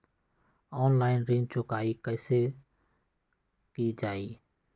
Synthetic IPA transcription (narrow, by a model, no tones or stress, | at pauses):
ɔːnlaːɪnɾẽːnd͡ʒt͡ʃʊkaːiːkəɪseː | kiːd͡ʒaːiː